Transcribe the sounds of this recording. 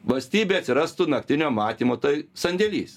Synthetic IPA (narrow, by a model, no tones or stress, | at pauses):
ʋɐlʲsʲt̪ʲiːbʲeːɐt̪ʲsʲɪɾɐst̪ʊnɐk̚t̪ʲɪnʲoːmɑːt̪ʲiːmoːt̪ɐɪsɐnʲd̪ʲɛlʲḭːs